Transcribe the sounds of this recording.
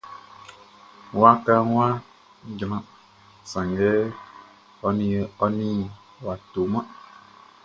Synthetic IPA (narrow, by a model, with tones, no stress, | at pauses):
wa˦ka˦ŋ˦wa˦ | d͡ʒə˨mã˦ | sa˨ŋɡɛ˦ | ɔ˨ni˨ɔ˦ni˦ | wa˨to˨ma˦